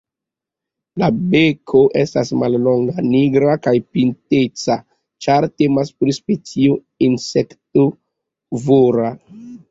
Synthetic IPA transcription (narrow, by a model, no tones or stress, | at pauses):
labekʰo̞ʔe̞stasmallo̞ŋɡaniɡɾakajpintet͡sa | t͡ʃaɾte̞maspɾispet͡sio | insekto | voɾa